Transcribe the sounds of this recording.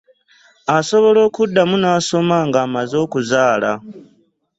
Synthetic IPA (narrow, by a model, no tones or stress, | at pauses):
aso̞βo̞lo̞ːkudːamunaːso̞maŋɡaːmazo̞ːkuzaːla